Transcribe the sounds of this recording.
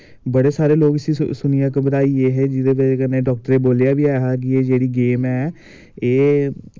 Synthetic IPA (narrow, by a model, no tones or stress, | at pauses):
bəɽeːsaːɾeːloːkəsiːsʊnɪjãːkəbəd̪aːiːeːɦɛːd͡ʒɪd̪eːbkənːeːɖɔːk̚ʈəɾeːboːljaːbiːaːɦaːk̬ɪeːd͡ʒeːɽiːɡeːmɛː | eː